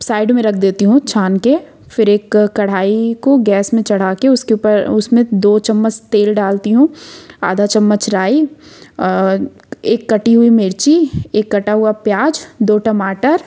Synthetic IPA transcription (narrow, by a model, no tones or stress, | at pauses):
saːɪɖmẽɾɐk̚ʰd̪eːt̪iɦũt͡ʃʰaːnke | fɪɾeːkːɐɽ̤aːikoɡɛːsmẽt͡ʃɐɽ̤aːkeʊskepəɾʊsmẽd̪oːt͡ʃɐmːət͡ʃt̪eːlɖaːlt̪iɦũa̰ːd̪ʱat͡ʃɐmːət͡ʃɾaːi | eːkːɐʈiɦʊimeːɾt͡ʃieːkːɐʈaɦuapjaːd͡ʒd̪oːʈəmaːʈəɾ